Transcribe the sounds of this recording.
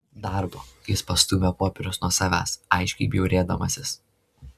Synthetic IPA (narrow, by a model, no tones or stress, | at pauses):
d̪ɐˑɾboːjɪspɐst̪uːmʲɛpoːpʲɛɾʲʊsnuɔsɑːʋʲæ̰ːsɐɪʃʲkʲɛɪbʲjɛʊɾʲeːd̪ɐmɐsʲɪs